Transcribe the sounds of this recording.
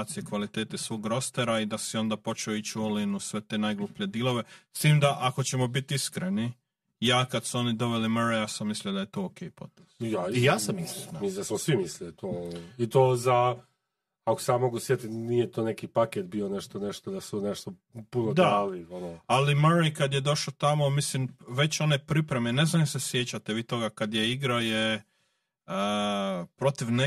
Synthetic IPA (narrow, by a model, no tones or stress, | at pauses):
t̪sijekʋalit̪eːt̪esʋo̞ːɡɾo̞st̪eɾaid̪asio̞nd̪apo̞t͡ʃeoit͡ɕuolinusʋe̞t̪e̞najɡlˠupied̪ilˠo̞ʋest̪iːmd̪aʔako̞t͡ɕe̞mo̞bit̪iskɾeni | jaːkad̪suo̞nid̪o̞ʋeliməɾejaːsamːisliod̪aje̞t̪oːoːkeːipo̞t̪esjaijaːsamisamid̪asmosʋimislit̪oit̪oːza | ako̥sejaːmo̞ɡusjet̪inijet̪one̞kipaket̪̚bione̞ʃt̪oneʃt̪od̪asuneʃt̪o | punod̪alionoalimaɾekad̪jed̪o̞ʃot̪amo̞mislimʋe̞t͡ɕo̞nepɾipɾe̞mene̞znajosesjet͡ɕat̪eʋiːt̪o̞ɡakad̪jeiɡɾaoje | ə | pɾo̞t̪iʋne